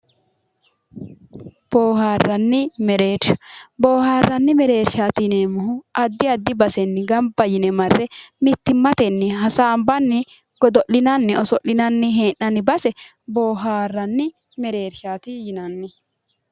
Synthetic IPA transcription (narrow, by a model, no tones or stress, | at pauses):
b̥oːhaːrːɐnːɪmɛɾeːɾʃɐ̥boːhaːrːɐnːɪmɛɾeːɾʃaːt̪ɪneːmʊhʊʔɐd̪ːɪɐd̪ːɪbɐsɛnːɪɡɐmbɐjɪnɛmɐrːɛmɪt̪ːɪmːɐt̪ɛnːɪɦɐsaːmbɐnːɪ | ɡ̥ɔd̪ɔʔɪnɐnːɪɔsɔʔːɪnɐnːɪɦeːnːɐnɪbɐsɛ | boːɦaːrːɐnːɪ | mɛɾe̞ːɾʃaːt̪ɪjɪnɐnːɪ